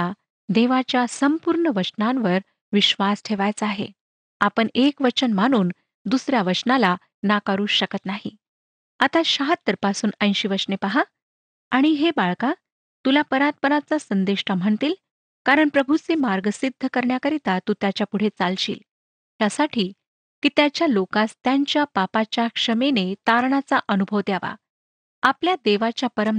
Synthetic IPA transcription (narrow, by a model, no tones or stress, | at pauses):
a | d̪eʋat͡ɕjasəmpuɾɳəʋət͡ɕnanʋəɾ | ʋiɕʋasʈʰeʋajt͡səaɦḛ | apəɳekʋət͡ɕənmaɽ̃uːn | d̪usɾjaʋət͡ɕnala | nakaɾuːɕəkət̪naɦḭ | at̪aɕaɦət̪ːəɾpasuːnə̃j̃ɕiːʋət͡ɕnepaɦaː | ɽ̃iɦebaɭka | t̪ulapəɾat̪̚pəɾat͡sasənd̪eʂʈam̤əɳt̪iːl | kaɾəɳpɾəbʱut͡semaɾɡəsid̪ʱːəkəɾɳjakəɾit̪at̪uːt̪jat͡ɕjapuɽ̤et͡salɕḭːl | ɦjasaʈʰiː | kiːt̪jat͡ɕjalokast̪jaɲt͡ɕjapapat͡ɕjakʂəmenet̪aɾɳat͡saʔənubʱəʋt̪jaʋa̰ | apljad̪eʋat͡ɕjapəɾəm